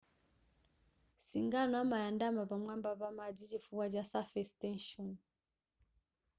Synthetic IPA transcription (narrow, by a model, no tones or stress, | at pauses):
siŋɡanwamajandamabamwambaβamad͡zid͡ʒifuwad͡ʒasafɛstɛnʃɔn